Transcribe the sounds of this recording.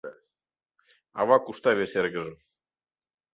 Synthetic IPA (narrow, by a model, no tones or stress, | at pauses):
ɑ̰vɑkuʃt̪ɑβeʃeɾɡə̆ʒə̆